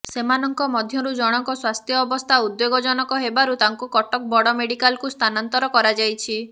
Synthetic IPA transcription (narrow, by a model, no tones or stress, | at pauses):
semanɔŋkɔmɔd̪ʱjɔɾud͡ʒɔɽ̃ɔŋkɔswast̪ʰjɔːbɔst̪ʰaud̪joɡɔd͡ʒɔñɔkɔɦebaɾut̪aŋkukɔʈɔk̚bɔɽɔmeɽikalkust̪ʰanant̪ɔɾɔkɔɾad͡ʒajt͡ʃʰi